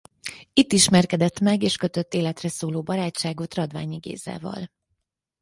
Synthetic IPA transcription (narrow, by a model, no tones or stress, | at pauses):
it̪ːiʃmɛrkɛd̪ɛt̪mɛɡeːʃkø̞t̪ø̞t̪ːeːlɛt̪rɛsoːloːbɒɾaːt͡ʃaːɡot̪rɒd̪va̰ːɲiɡḛːza̰ːvɒ̰l